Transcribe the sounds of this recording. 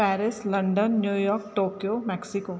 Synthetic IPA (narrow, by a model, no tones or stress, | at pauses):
pɛːɾɪslɐ̃ɳɖənːjuːjɔːɾk̚ʈoːkijoːmɛːksɪkoː